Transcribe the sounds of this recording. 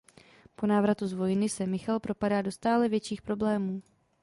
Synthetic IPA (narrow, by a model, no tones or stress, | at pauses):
po̞naːvɾat̪uzvo̞jɪnɪsɛmɪxalpɾo̞padaːdo̞st̪aːlɛvjɛt͡ʃiːxpɾo̞blɛːmuː